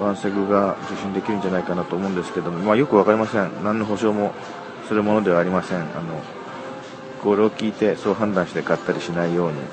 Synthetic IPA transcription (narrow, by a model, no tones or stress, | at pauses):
βãɰ̃seɡɯ̟ɡad͡ʑɨɕːĩnd̪e̞kʲiɾɯ̟nɲ̟d͡ʑanaikanat̪oːmo̞ɯ̃nd̪e̞sɨ̥ked̪o̞momajo̞kɯ̟β̞akaɾʲimasẽnnãnːo̞ɦo̞ɕo̞ːmo̞ | sɨɾɯ̟mõ̞no̞d̪e̞βaːɾʲimasẽ̞ŋa̰no̞ | koɾeokʲiːt̪e̞so̞ːɦãnd̪ãɰ̃ɕi̥t̪e̞kat̪ːaɾʲiɕinaijo̞ːɲ̟ḭ